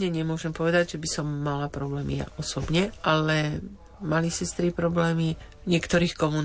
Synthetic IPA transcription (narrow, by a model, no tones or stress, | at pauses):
ɲɛɲɛmʊɔʒɛmpɔʋɛd̪aɟʒɛbisɔmːalapɾɔblɛːmḭja̰ʔɔsɔbɲɛʔalɛ | malisɛst̪ɾipɾɔblɛːmi | ɲɪɛkt̪ɔɾiːxkɔmun